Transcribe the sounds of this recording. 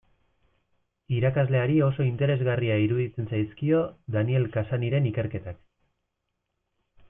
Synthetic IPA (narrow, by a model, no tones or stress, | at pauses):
iɾakazle̞aɾio̞so̞int̪e̞ɾe̞zɣariaiɾuðit͡se̞nsajskio̞ðanie̞lkasaniɾe̞nike̞ɾke̞t̪ak